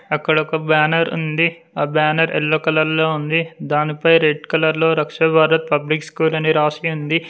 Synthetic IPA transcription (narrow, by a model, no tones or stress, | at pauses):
ɐkːɐɽɔkɐbaːnɐɾṵnd̪i | aːbaːnɐɾʔḛlːoːkɐlɐlːo̞ːund̪id̪aːnipɐjɾeɖkɐlɐɾlo̞ːɾɐkʂɐbʱaːɾɐt̪̚pɐblikskuːlɐniɾaːʂiund̪i